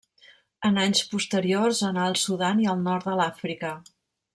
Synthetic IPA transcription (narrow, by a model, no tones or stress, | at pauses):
ənaɲspust̪əɾiorzənaəlˠsuðaniəlˠnɔɾt̪̚d̪əlafɾikə